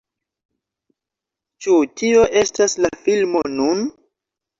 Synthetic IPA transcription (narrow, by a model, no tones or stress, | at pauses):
t͡ʃutʰio̞ʔe̞staslafilmo̞nun